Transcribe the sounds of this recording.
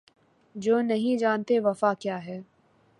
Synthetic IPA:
d͡ʒoːnɐɦĩd͡ʒaːnt̪eʋɐfakjaːɦɛː

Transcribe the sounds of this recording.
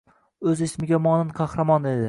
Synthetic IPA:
ɵzɪsmɪɡʲamɒnɪnqʰɑhɾɑmɒned̪ɪ

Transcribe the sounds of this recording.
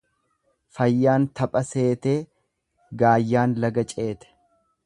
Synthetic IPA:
fɐjːaːnt̪ɐpʼɐse̞ːt̪e̞ː | ɡaːjːaːnlɐɡɐt͡ʃʼe̞ːt̪ɛ̥

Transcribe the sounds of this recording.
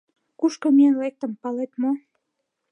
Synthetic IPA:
kuʃkomiənlek̚t̪ə̆mpɑlet̪mo

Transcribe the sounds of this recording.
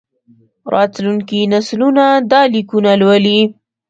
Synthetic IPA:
ɾʔɑt̪luŋkinaslunad̪ɑlikunalwəli

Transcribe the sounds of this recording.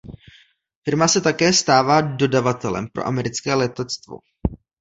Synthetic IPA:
fɪɾmasɛt̪akɛːst̪aːvaːdo̞davat̪ɛlɛ̰mpɾo̰ʔa̰mɛɾɪt͡skɛːlɛt̪ɛt͡st̪vo̰

